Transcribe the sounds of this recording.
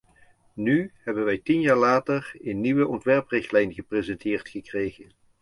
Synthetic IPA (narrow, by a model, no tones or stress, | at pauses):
nyhɛbənʋɛjtinjaːɹlaːtərənːiʋəʔɔntʋɛɹprɪχtlɛjnχəprezɛntʰɪːrtχəkrejχən